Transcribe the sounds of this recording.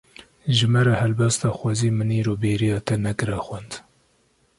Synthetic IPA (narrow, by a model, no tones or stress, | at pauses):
ʒɨmɛɾɛhɛlbɛst̪ɑːxʷɑziːmɨniːɾoːbeːɾijɑːt̪ɛnɛkɨɾɛxwɛnd̪